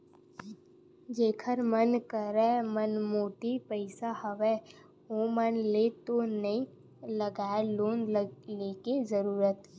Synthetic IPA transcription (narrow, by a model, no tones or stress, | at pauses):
d͡ʒeːkʰəɾmənkəɾɛmənmoːʈipəɪsahəʋɛ | oːmənlet̪onəɦĩ | ləɡaːeloːnlekezəɾuːɾət̪